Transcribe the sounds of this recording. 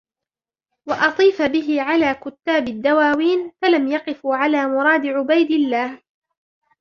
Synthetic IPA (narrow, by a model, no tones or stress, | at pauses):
wɑʔɑt̪ˤiːfabɪɦɪʕalaːkʊt̪ːaːbɪd̪ːawaːwiːnfalamjɑqɪfuːʕalaːmʊɾˤɑːd̪ɪʕʊbajd̪ɪlːaːh